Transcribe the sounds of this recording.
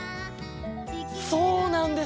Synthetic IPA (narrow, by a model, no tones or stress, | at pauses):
soːnãnd̪e